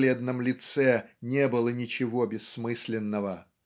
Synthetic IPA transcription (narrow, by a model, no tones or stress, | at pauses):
lʲed̪nəmlʲɪt̪sɛnʲebɨlˠənʲɪt͡ɕɪvobʲɪsːmɨsʲlʲɪnːəvə